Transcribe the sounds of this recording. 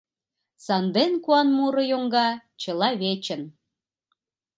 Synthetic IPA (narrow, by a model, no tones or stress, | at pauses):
sɑnd̪enkuɑnmuɾɤ̆joŋɡɑt͡ɕə̆lɑβet͡ɕə̆n